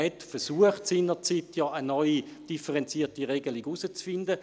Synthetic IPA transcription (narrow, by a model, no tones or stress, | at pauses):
ɛtfɛʁsuəχtsiːnəʁt͡siːtjɑənɔʏi | d̥ifəʁɛnt͡siːɐtiʁɛɡəliɡusət͡sfɪndə